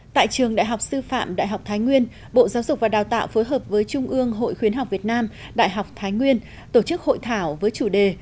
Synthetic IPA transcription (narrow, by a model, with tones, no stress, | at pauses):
t̪a̰ː˧˨jt͡ɕɨ˨˩əŋɗa̰ː˧˨jɦa˨˩k͡p̚sɨ˧fa̰ː˧˨mɗa̰ː˧˨jɦa˨˩k͡p̚t̪ʰaː˨˦jŋwi˧ən | ɓo̰˧˨zaː˨˦wzʊ˨˩k͡p̚vaː˨˩ɗaː˨˩wt̪a̰ː˧˨wfo˨˦jɦəː˨˩p̚vəː˨˦jt͡ɕʊ˧ŋ͡mʔɨ˧əŋɦo̰˧˨jxwi˨˦ənɦa˨˩wk͡p̚vi˨˩ət̚naː˧m | ɗa̰ː˧˨jɦa˨˩wk͡p̚t̪ʰaː˨˦jŋwi˧ən | t̪o˧˩t͡ɕɨ˦˥k̚ho̰˧˨jt̪ʰaː˧˩wvəː˨˦jt͡ɕu˧˩ɗe˨˩